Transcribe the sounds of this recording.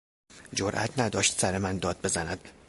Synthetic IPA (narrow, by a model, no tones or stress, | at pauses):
d͡ʒoɾʔæ̰t̪ʰnæd̪ɒːʃt̪sæɾemænd̪ɒːd̪̚be̞zænæd̪̥